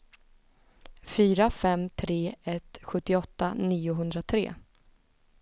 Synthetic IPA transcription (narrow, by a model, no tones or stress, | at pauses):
fyːɾafɛmt̪ʰɾeːɛt̪ɧɵt̪ːɪɔt̪ːa̰niːʊɦɵnd̪ɾat̪ʰɾḛː